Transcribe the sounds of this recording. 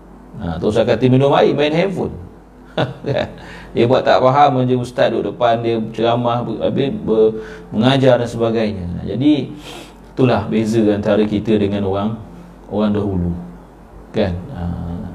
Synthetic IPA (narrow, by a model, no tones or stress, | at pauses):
a̰t̪os̬akat̪iminʊmaimainɦɛvʊ̰n | ka̰ndiəbuaʔt̪a̰ʔpaɦaməd͡ʒəust̪at̪̚doʔdəpandiəət͡ʃəɾamahbabɪbəməŋad͡ʒardansəbaɡajɲə̰̃d͡ʒa̰di | t̪ulahbezəant̪aɾəkit̪ədəŋãnoɾaŋ | oɾaŋdaɦulu | kana